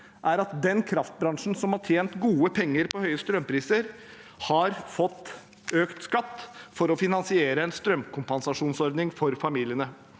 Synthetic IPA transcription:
ʔæɾɑt̪̚d̪ɛnkʰɾɑft̪̚bɾɑŋʂn̩sɔmhɑʈʰjeːnt̪ɡuːəpʰɛŋːəɾpɔhœʏəst̪ɾœmpʰɾiːsəɾ | hɑɾfɔt̪ː | øːkt̪skɑt̪ːfɔɾɔfɪnɑnsɪeːɾəɛnst̪ɾœmkʰʊmpɑnsɑʂuːnsɔɾd̪nɪŋfɔɾfɑmiːlɪənə

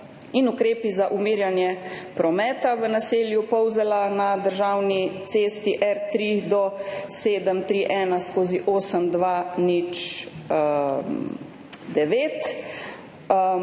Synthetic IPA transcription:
inukɾeːpizaʔumiːɾjanjɛpɾɔmɛːt̪aʋənaseːljupɔwzɛlanad̪əɾʒawnit̪seːst̪iʔɛɾt̪ɾid̪ɔseːd̪əmt̪ɾiʔɛːnaskoːziʔoːsəmd̪ʋanit͡ʃ | d̪ɛʋeːt̪

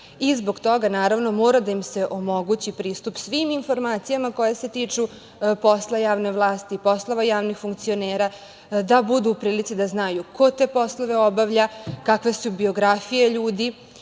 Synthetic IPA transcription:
izbo̞ɡt̪o̞ɡanaːɾaʋno̞mo̞ːɾad̪ajimse̞ʔo̞mo̞ɡut͡ɕipɾiːst̪upsʋiminfo̞ɾmaːt̪sijamako̞jase̞t̪iːt͡ʂu | po̞slˠajaːʋne̞ʋlˠaːst̪ipo̞slˠoʋajaːʋnixfuŋk̚t̪sio̞neːɾa | d̪abud̪uːpɾiːlit̪sid̪aznajukʰo̞t̪e̞ːpo̞slˠo̞ʋe̞obaʋʎakakʋe̞subio̞ɡɾafijeʎuːd̪i

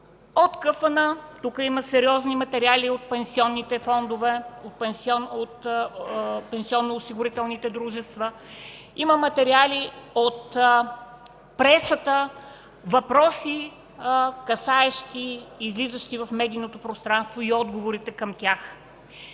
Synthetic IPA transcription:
ot̪kəfɐnət̪ukəiməsɛɾiɔznimɐt̪ɛɾialiot̪̚pɛnsiɔnːit̪ɛfɔnd̪ovɛot̪̚pɛnsɔnot̪ | pɛnsiɔnːoːsiɡʊɾit̪ɛlˠnit̪ɛd̪ɾuʒɛst̪və | iməmɐt̪ɛɾialiot̪ | pɾɛsət̪ə | vɐpɾɔsi | kɐsaɛʃt̪iːzlizəʃt̪ivɐfmɛd̪iːnot̪opɾost̪ɾanst̪voiɔd̪ɡovoɾit̪ɛkɐmt̪ʲjax

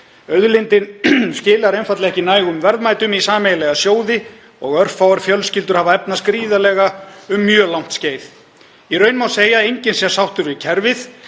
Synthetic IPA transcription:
œðlɪnt̪ɪnscɪːlaɾejnfat̪lɪɣɛhcɪnaːjɣʏmvɛɾðmaːjt̪ʏmisaːmejalɛɣasjoːwðɪ | ɔɣœr̥fawaɾfjœlscɪlt̪̬ʏɾ̥havaɛpnaskɾiːðalɛːɣaʏmːjœːlawm̥t̪sceːjθ | irœɥnmawseːjaejɲcɪnsɛ̥sawht̪ʏɾvɪcʰɛɾvɪθ

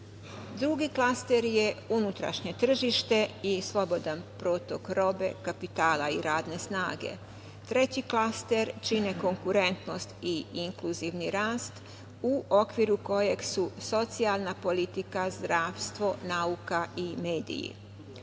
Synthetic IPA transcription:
d̪ɾuɡiklast̪eɾje̞unut̪ɾa̰ʃɲe̞t̪r̩ʒiʃt̪e̞islˠo̞bod̪anpɾot̪o̞kɾo̞be̞̰kapit̪aːlaiɾaːd̪ne̞snaːɡe̞̰ | t̪ɾe̞t͡ɕiklast̪e̞ɾt͡ʃine̞ko̞ŋkuɾe̞nt̪no̞st̪iiŋkluziʋniɾaːst̪ | uʔo̞kʋiɾuko̞je̞ɡsuso̞t̪sialˠnapo̞lit̪ikazd̪ɾaːʋst̪ʋo̞naukaimeːd̪ḭjḭ

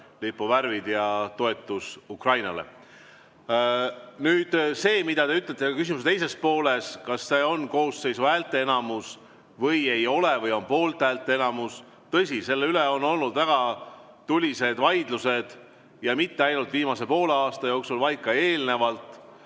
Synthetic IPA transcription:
lipːovæɾvid̪̥jɑt̪o̞e̞t̪ːˑusukrɑjnɑ̰le̞̰ | nyːd̪̥se̞ːmid̪̥ɑt̪e̞yt̪ːˑlet̪e̥ɑkys̬ʲimus̬et̪e̞jse̞spo̞ːle̞skɑsːe̞o̞nko̞ːsse̞jsuælt̪ˑe̞enɑmus | vɤ̞je̞jo̞levɤjo̞npo̞ːlt̪ˑæːlt̪ːˑeenɑmus | t̪ɤ̞s̬ʲise̞lːeyleo̞no̞lːud̪væɡ̥ɑ | t̪ulʲise̞d̪vɑjd̪luse̞d̪̥ | jɑmit̪ːeɑjnult̪viːmɑse̞po̞ːleɑːst̪ɑjo̞ːksulvɑjkːˑɑe̞ːlne̞vɑlt̪ˑ

